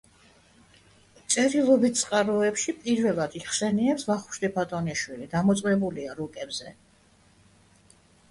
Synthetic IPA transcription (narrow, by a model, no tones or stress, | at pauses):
t̪sʼɛɾilˠɔbit̪̚ʰt̪sʼqʼaɾɔɛpʃipʼiɾvɛlˠad̪iχsɛniɛpsvaχu̥ʃd̪ɛpʰat̪ʼɔniʃwilid̪amɔt̪sʼmɛbuliaɾɔkʼɛbzɛ